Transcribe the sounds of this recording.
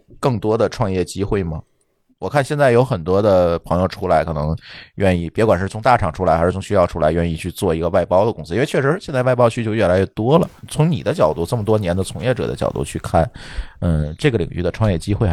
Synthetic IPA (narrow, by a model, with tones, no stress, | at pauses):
kɤ˥˩ŋt̪wɔ˥d̪ə˨ʈ͡ʂʰwɑ˥˧ŋjɛ˥˩t͡ɕi˥xwe˥˩ɪmə˩ | wɔ˨˩kʰa˥˧nɕjɛ˥˧nt͡sa˥˩jo˧˥ʊxə˨˩nt̪wɔ˥d̪ə˨pʰɤ˧˥ŋjo˥˧ʊʈ͡ʂʰu˥la˧˥ɪkʰɤ˨˩nɤ˧˥ŋɥɛ˥˧ni˥˩pjɛ˧˥kwa˨˩nʂɻ̩˥˩t͡sʰʊ˧˥ŋt̪a˥˩ʈ͡ʂʰɑ˨˩ŋʈ͡ʂʰu˥la˧˥ɪxɻ̩˥˩t͡sʰʊ˧˥ŋɕy˥jɑ˥˩ʊʈ͡ʂʰu˥la˧˥ɪɥɛ˥˧ni˥˧t͡ɕʰy˥˧t͡swɔ˥˩i˧˥ɡə˧wa˥˩ɪpɑ˥ʊd̪ə˨kʊ˥ŋsʰɹ̩˧˥˧t͡ɕʰɥɛ˥˩ʂɻ̩˧˥jnt͡sa˥˧ʋa˥˧ɪpɑ˥ʊt͡ɕʰy˥t͡ɕjo˥˧ʊɥɛ˥˩la˧˥ɪɥɛ˥˩t̪wɔ˥lə˨˩t͡sʰʊ˧˥ŋni˨˩d̪ə˦t͡ɕjɑ˨˩ʊt̪u˥˩ʈ͡ʂɤ˥˩mət̪wɔ˥njɛ˧˥nd̪ə˧t͡sʰʊ˧˥ŋjɛ˥˩ʈ͡ʂɤ̰˨˩d̪ə̰˦t͡ɕjɑ˨˩ʊt̪ṵ˥˧t͡ɕʰy˥˧kʰa˥˩nə˥˧˩ʈ͡ʂɤ˥˩ɡə˩lḭ˨˩ŋy˥˩d̪ə˩ʈ͡ʂʰwɑ˥˧ŋjɛ˥˩t͡ɕi˥xwe˥˩ɪ